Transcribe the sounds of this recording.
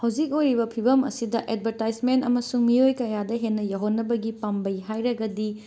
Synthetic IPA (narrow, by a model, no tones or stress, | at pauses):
hawd͡ʒik̚ojɾibɐpʰibɐmɐ̰sidɐʔed̚bʱɐɾtajzmentɐ̰mɐsuŋmiojkɐjadɐɦenːɐjawɦonːɐbɐɡipambɐjɦajɾɐɡɐdi